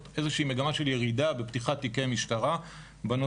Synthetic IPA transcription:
tʔe̞zeʃiːme̞ɡamaʃe̞lje̞ʁidabe̞pt̪iχat̪ːikemiʃtaʁa | bano

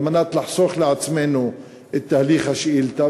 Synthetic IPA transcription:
manat̪laħsˤoxlɪʕat͡smeːnu | ɪt̪ːahliːxhaʃʔiːlt̪a

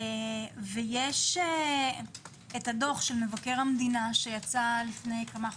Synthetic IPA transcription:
vejeʃe | etado̞χʃelmevake̞ʁhamdinaʃe̞jat͡salifne̞jkama

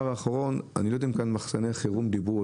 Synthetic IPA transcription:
aʁaːχaʁo̞na̰nilod̪aimkanmaχsaneχiʁumd̪ibu

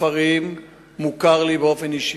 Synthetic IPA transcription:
aʁimː | ukaʁlibeo̞feniʃ

